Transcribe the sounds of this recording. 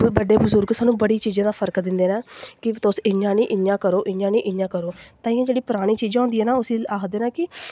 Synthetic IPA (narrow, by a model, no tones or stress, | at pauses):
bəɖeːbʊzʊɾɡsaːnũːbəɽiːt͡ʃiːd͡ʒãːd̪aːpʰəɾkd̪ɪ̃nd̪eːnaːkɪt̪ʊsɪɲãːnĩːʔɪãːkəɾoːʔɪɲãːnĩːʔɪjãːkəɾoːt̪aːɪ̃ːãːd͡ʒeːɽiːpʊɾaːɽ̃ĩːt͡ʃiːzãːɦʊ̃nd̪iːɛːnaːʊsĩːaːkʰd̪eːnãːkɪ